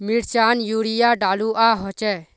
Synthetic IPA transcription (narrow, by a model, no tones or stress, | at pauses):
miɽt͡ʃaːnjuːɽijaɖaːluʔaːɦɔt͡ʃɛ